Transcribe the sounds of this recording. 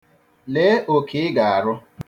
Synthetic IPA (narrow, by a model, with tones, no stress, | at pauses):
le˨˦ʔo˨kɪ˨ɪ˦ɡa˨a˨ɾʊ˦